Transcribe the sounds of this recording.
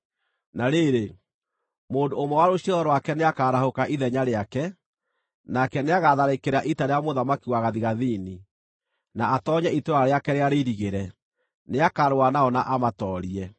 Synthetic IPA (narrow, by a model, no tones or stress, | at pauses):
naɾeɾe | moːndoomɔwaɾoɕiɔɔɾwakɛneakaːɾahokaʔiðɛɲaɾeakɛ | nakɛneaɣaðaɾekeɾaʔitaɾeamoðamakiwaɣaðiɣaðini | naːtɔɲɛitoɾaaɾeakɛɾeaɾeɾiɣeɾɛ | neakaɾoanaɔnaʔamatɔːɾiɛ